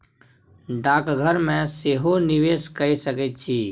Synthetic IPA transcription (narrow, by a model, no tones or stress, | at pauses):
ɖaːkɡʱəɾmẽseɦonɪʋeːskəisəkət͡ʃʰiː